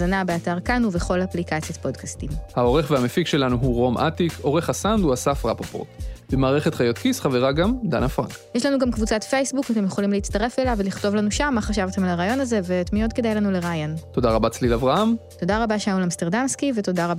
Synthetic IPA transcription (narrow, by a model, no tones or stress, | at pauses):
zanabeataʁkanuveχo̞laplikat͡sijat̪po̞dkastimhao̞ʁe̞χveamefikʃe̞lanuɦuʁo̞mʔa̰t̪iko̞ʁeχasand̪uasafʁapopo̰tb̥emaːʁeχet̪χajo̞t̪kisχaveʁaɡamd̪a̰nafʁa̰ŋkjeʃlanuɡamkvut͡satfe̞jsbukat̬emjeχo̞limleit͡staʁe̞felaveliχto̞vlanuʃamːaχaʃavtemalaʁaːjo̞naze̞vetmijo̞tke̞d̪ajlanuleʁaːjonto̞daʁabat͡slilavʁahamto̞daʁabaʃeaulamste̞ʁdamskive̞to̞daʁa